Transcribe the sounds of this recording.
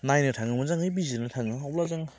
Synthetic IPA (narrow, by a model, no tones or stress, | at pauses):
najnɯtʰaŋɯmɯzaŋɯjbizinɯtʰaŋɯɦawlazaŋ